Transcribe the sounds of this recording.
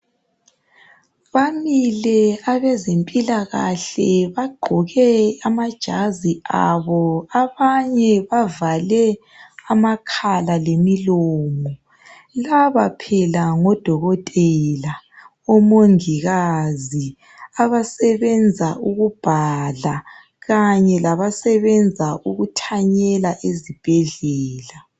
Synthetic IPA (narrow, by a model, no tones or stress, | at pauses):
βamilɛaβɛzempʼilaɣa̰ɬɛβaɡ͡ǃʱɔɣɛamad̥ʒ̥ʱazia̰βɔaβaɲɛβavalɛ | amakʰalalemiloːmɔ | laβapʰɛlaŋɔd̥ʱɔɣɔtʼɛla | ɔmoŋiɣazi | aβasɛβɛnd͡zʱaʔuɣub̥ʱala | ɣaɲɛlaβasɛβɛnd͡zʱaʔuɣutʰaɲɛlaʔezib̥ʱɛɮɛːla